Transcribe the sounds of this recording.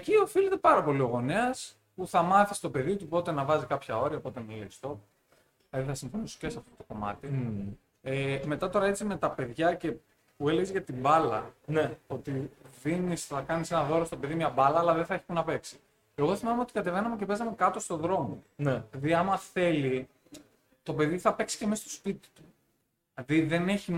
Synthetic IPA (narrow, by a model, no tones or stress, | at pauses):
ecio̞filit̪epɐɾɐpo̞lio̞ɣo̞neɐs | puθɐmɐθi̥st̪ope̞ðit̪upo̞t̪e̞nɐvɐzikɐpçɐo̞ɾiɐopo̞t̪emilḛst̪o̞ | lɐðiθɐsiɱfo̞niso̥ce̞sɐft̪o̞t̪oko̞mɐ̰t̪i | eme̞t̪ɐt̪o̞ɾɐe̞t͡sime̞t̪ɐpe̞ðʝɐce̞ | pue̞leʝezʝɐt̪ibɐlɐ̰no̞t̪iðinisθɐkɐnise̞nɐðo̞ɾost̪o̞pe̞ðimɲɐbɐlɐːlɐðeθɐeçipunɐpe̞ksi̥ | e̞ɣo̞θimɐmeo̞t̪i̥kɐt̪e̞ve̞nɐmece̞pe̞znɐmekɐt̪o̞st̪o̞ðɾo̞monelɐðiɐmɐθe̞li | t̪o̞pe̞ðiθɐpe̞ksi̥cemist̪o̥spit̪i̥t̪u̥ | ɐðiðe̞ne̞çi